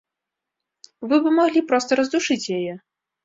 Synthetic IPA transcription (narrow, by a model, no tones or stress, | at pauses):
vɨbɨmaɣlʲipɾɔst̪ɐɾɐzd̪uʂɨt͡sʲjajɛ